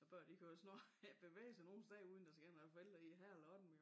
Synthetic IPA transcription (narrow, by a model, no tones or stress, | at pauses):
ɒb̥ɶɐ̰d̥ikʰæosnɒ̰̥ːb̥e̝ʋḛːsæno̝ːn̩sd̥ɛuːð̞ˠn̩d̥ɑ̈sɡ̥æ̰ɐnʋæːɐfeld̥ɐiɦæɐ̰elɐɒd̥em̩